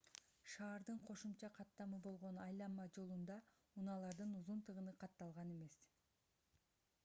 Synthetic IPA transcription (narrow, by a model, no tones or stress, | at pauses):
ʃɑːɾd̪ɯɴqʰo̞ʃumt͡ʃɑqʰɑt̪ːɑmɯbo̞lˠʁo̞nɑjlˠɑnmɑd͡ʒo̞lˠund̪ɑ | unɑlˠɑɾd̪ɯnuzunt̪ɯʁɯnɯqʰɑt̪ːɑlˠʁɑne̞me̞s